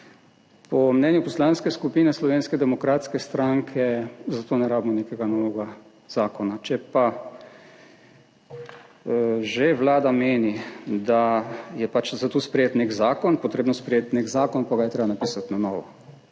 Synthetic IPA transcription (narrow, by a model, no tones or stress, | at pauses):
pɔmnɛːnjupɔslanskɛskupiːnɛslɔʋeːnskɛd̪ɛmɔkɾaːt̪skɛst̪ɾaŋkʰɛzat̪oːnɛɾaːbmɔneːkɛɡanɔːʋɛɡa | z̥aːkɔnat͡ʃɛpa | ʒeʋlaːd̪ameːnid̪ajɛpat͡ʃzat̪ospɾɛjeːt̪neɡzaːkɔnpɔt̪ɾeːbnɔspɾɛjeːt̪neɡzaːkɔnpaɡajɛt̪ɾeːbanapiːsat̪nanɔːʋɔ